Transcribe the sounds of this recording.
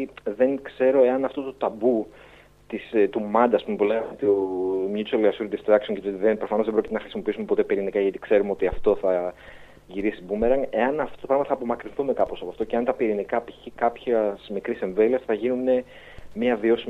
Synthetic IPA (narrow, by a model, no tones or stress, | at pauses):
ðe̞ŋkse̞ɾo̞e̞ɐnɐft̪o̞t̪ot̪ɐbu | t̪ist̪umɐnd̪ɐːspume̞puleɣɐmet̪omɲut͡seliɐsuɾd̪ist̪ɾɐksoncɐt̪ot̪ðepɾo̞fɐnoðebɾocit̪nɐxɾisimo̞piisumepo̞t̪e̞piɾinikɐʝɐt̪i̥kse̞ɾumeo̞t̪iɐft̪o̞θɐ | ʝiɾisibumeɾɐŋe̞ɐnɐft̪otopɾɐɣmtɐθɐːpo̞mɐkɾinθume̞kɐpo̞sɐpoft̪o̞ce̞ɐnt̪ɐpiɾinikɐpiçikɐpçɐsmikɾise̞ɱve̞liɐsθɐʝinune̞ | miɐvio̞si